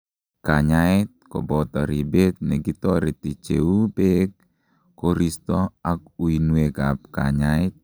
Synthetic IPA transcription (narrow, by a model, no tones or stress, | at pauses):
kaɲaɪt̪̚kɔ̰bɔt̪ɔɾibet̪̚nɛɡit̪ɔɾit̪it͡ʃḛupek̚ | koɾist̪ɔak̚uinwekap̚ka̰ɲaɪt̪̚